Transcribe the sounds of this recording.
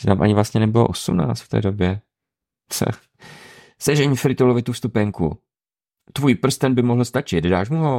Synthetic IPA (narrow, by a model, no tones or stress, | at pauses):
t̪amʔa̰ɲɪvlast̪ɲɛnɛbɪlo̰ʔosumna̰ːt͡st̪ft̪ɛ̰ːdobjɛ | sɛ̰ | sɛʒɛɲfɾɪt̪ulovɪt̪ufst̪upɛŋkṵ | t̪vujpr̩st̪ɛnbɪmoɦl̩st̪at͡ʃɪt̪daːʃmuɦo